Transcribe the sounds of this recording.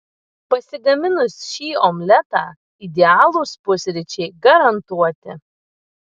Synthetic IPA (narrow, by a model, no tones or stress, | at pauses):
pɐsʲɪɡɐmʲɪnʊsʲʃiːomʲlʲɛt̪ɑː | ɪd̪ʲɛɑːlˠuːspʊsʲɾʲɪt͡ʃʲɛɪɡɐɾɐnt̪uɔt̪ʲɪ